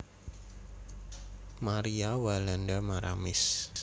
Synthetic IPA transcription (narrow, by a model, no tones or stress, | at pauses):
maɾiawalandamaɾʔa̰mɪs